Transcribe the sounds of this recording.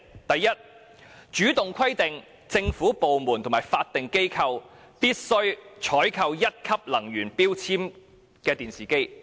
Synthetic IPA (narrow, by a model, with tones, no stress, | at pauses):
t̪ɐ˨jːɐ˥t̚ | t͡ʃyː˨˥t̪ʊ˨ŋkʰɐ˥jt̪ɪ˨ŋ | t͡sɪ˧ŋfuː˨˥po˨wmuː˨˩nt̪ʰmaː˨˩jfaː˧t̚t̪ɪ˨ŋke˥jkʰɐ˧w | piː˥t̚sɵ˥ɥt͡ʃʰɔː˨˥jkʰɐ˧wjɐ˥t̚kʰɐ˥p̚lɐ˨˩ŋjyː˨˩npiː˥wt͡sʰiː˥m | kɛː˧t̪iː˨˩nsiː˨˩ke˥j